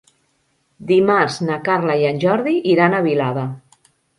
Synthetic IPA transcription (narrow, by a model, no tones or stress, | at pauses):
d̪imaɾznakaɾlajanʲʒɔɾðiʔiɾanəβilaðə